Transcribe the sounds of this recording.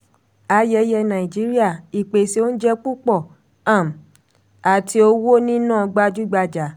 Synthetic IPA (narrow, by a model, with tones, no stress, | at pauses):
a˧jɛ˧jɛ˧nã˨i˨d͡ʒi˨˦ɾi˦a˦˨i˨k͡pe˨se˧˦o˦n̩˦d͡ʒɛ˦k͡pu˦k͡pɔ˦˨ | ã˨m̩˨ | a˨tʰi˧o˧wo˦nĩ˦nãː˦˨˧ɡ͡ba˧d͡ʒu˦ɡ͡ba˧d͡ʒa˨˦